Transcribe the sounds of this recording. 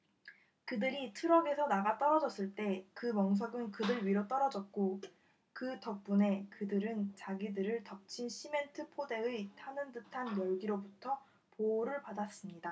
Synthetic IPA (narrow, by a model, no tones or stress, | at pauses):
kɯdɯɾitʰuɾʌɡe̞sʰʌnaɡat͈ʌɾʌd͡ʑʌs͈ɯɭt͈e̞kɯmʌŋs̬ʰʌɡɯnkɯdɯɭɥiɾot͈ʌɾʌd͡ʑʌt̚k͈o | kɯtʌp̚p͈une̞kɯdɯɾɯnt͡ɕaɡidɯɾɯɭtʌp̚t͡ɕʰinɕʰime̞ntʰɯpʰode̞ɯtʰanɯndɯtʰanjʌɭɡiɾobutʰʌ | poːɾɯɭpadas͈ɯmɲida